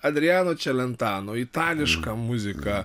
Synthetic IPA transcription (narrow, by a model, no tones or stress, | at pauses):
ɐd̪ʲɾʲiaːnoːt͡ʃʲɛlʲɛnt̪aːnoit̪aːlʲɪʃkɐmʊzʲɪkɐ